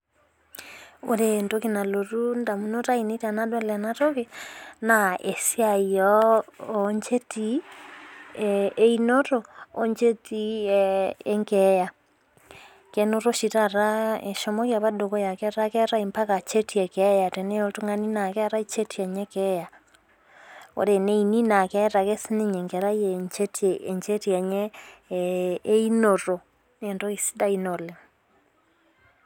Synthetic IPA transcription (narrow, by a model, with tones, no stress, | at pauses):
o̰˨ɾento˦ke˨na˨lo˨ɾu˦nda˨mu˦no˦ta˦i˨ne˦ta˨na˦dɔ˦la˨na˦to˦ke˨na˨ʔe˨si˦a˨iɔː | ɲt͡ʃe˦ti˦ | e˦i˦nɔ˦toː˨ɲt͡ʃe˦ti˦ | ɛ˦ŋɡɛ˦ja˨ | kɛno˦ɾo˦ʃi˨ta˨ɾa˦ḛ˨ʃo˦mɔ˦kja˨βa˦do˨kɔ˦ja˨kɛ˦ɾa˦kɛ˦ɾa˦i˨mpa˦ka˨t͡ʃe˦tʰi˦ɛ˨kɛ˦ja˨te˨nɛ˦jo˨to˦ŋa˦ni˦na˨kɛ˦a˨ɾa˦i˦t͡ʃe˦tʰi˦ɛ˨ɲɛ˦kɛ˦ja˨ | o̰˨ɾe˨ne˦ini˦na˨kɛ˦ɾa˨kɛ˦si˦ne˦ɲɛ˨ŋɡɛ˨ɾa˦je˨ɲt͡ʃe˦te˨ɲt͡ʃe˦ti˦ɛ˨ɲɛ˦ | i˦no˨ɾo˨ | ne˨ndo˦i˨si̥˦da˦i˦no˨le˨